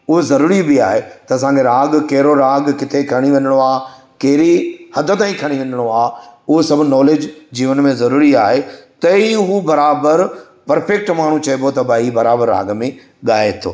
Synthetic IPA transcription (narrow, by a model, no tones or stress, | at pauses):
ʊɦozɐɾuːɾibiaːɦet̪ɐɐs̬ãːŋkʰeɾaːɡkɐɦɪɾoɾaːɡkɪt̪ʰekʰɐɽ̃iʋɐ̃ɲəɽ̃oaː | kɐɦɪɾihɐd̪ʱə̆t̪ãːĩkʰɐɽ̃iʋɐ̃ɲəɽ̃oaːʊɦosɐbʱʊnɔːleːd͡ʑd͡ʑiːʋənmẽzɐɾuːɾiaːɦet̪ɐiɦubɐɾaːbəɾ | pɐɾfek̚ʈmaːɽ̤̃ũt͡ɕɐebot̪ɐbaːibɐɾaːbəɾːa̰ːɡmẽ | ɠaːet̪ʰo̰ː